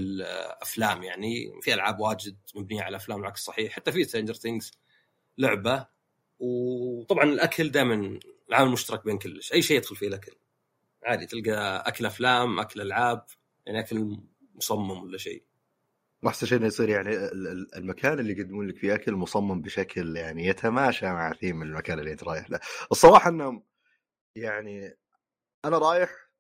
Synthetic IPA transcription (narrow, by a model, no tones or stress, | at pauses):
lʔaflaːmjaʕnifiʔalʕaːbwaːd͡ʒɪd̪̚mabniːʕalaʔaflaːmwlʕakssˤɑħiːħħat̪ːafiɪst̪ɾeːnd͡ʒɑɾˤθɪŋɡz̥ | lʊʕba | wt̪ˤɑbʕɑnɪlʔakʰald̪aːjmanlʕaːmalmʊʃt̪ɑɾˤɑk̚beːnkʊlːɪʃʔajːʃeːɪd̪xʊlfiːalʔakal | ʕaːd̪it̪ɪlɡaʔakalʔaflaːmʔakalʔalʕaːb̚ | jaʕniʔakal | mʊsˤɑmːamwɪlːaʃḛː | wʔaħsanʃeːʔɪnːajsˤiːɾjaʕniɪɪlmakʰaːnɪlːiɡad̪ːɪmuːnlɪkfiʔakalmʊsˤɑmːambɪʃakʰljaʕnijat̪ʰamaːʃamaʕafiːmɪnɪlmakaːnɪlːiʔɪnt̪ɾˤɑːjɪħlaʔɨsˤːɑɾˤɑːħɑʔɪnːhʊm | jaʕni | ʔanaɾˤɑːjɪħ